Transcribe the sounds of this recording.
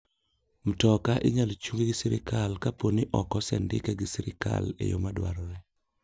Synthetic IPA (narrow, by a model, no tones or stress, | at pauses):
m̩tɔkaʔɪɲalt͡ʃuŋɡiɡɪsiɾɪ̰kʰalkaponiʔɔkɔsɛ̰ndɪ̰kɛɡɪsiɾɪka̰lḛjo̰madwa̰ɾɔɾɛ